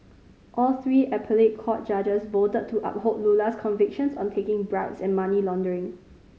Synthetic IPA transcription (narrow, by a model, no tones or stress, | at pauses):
ʔɔlθɹiːʔɛpʰəlet̚kʰɔt̚d͡ʒad͡ʒəsvotəd̚tʰːuʔa̰p̚hodlulaskʰɔ̃nvɪk̚ʃə̃nsɔ̃ntʰekɪ̃ŋbɹaʊtsɛ̃nmanilɔ̃ndəɹɪ̃ŋ